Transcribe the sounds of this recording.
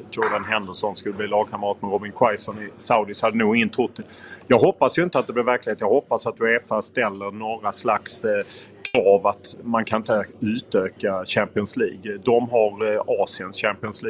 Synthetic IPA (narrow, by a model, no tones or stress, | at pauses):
jɔɖanɦɛnd̪əʂɔnskɵlːəbliːlɑːɡ̚kʰaməɾɑːt̪mɛɾɔbɪnkʰwajsɔnɪsaʊd̪ɪshad̪ːənuːɡɪŋːənt̪ʰɾʊt̪d̪ɛ | jɑːɡɦɔpːasjɵɪnt̪əat̪̚d̪ɛblɛɾvæɾklɪheːt̪jɑːɡhɔpːasat̪̚d̪ɵɛfast̪ɛlːəɾnoːɾaslakskʰɾɑːvat̪mankʰanɪnt̪əʉ̟ːt̪øːkaɕæmpɪɔnslḭːɡd̪ɔmɦaɾɑːsɪənsɕæmpɪɔnsliːɡ